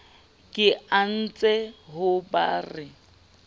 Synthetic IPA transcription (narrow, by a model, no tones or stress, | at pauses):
kʼɪan̩t͡sʼɛɦʊba̰ːrɪ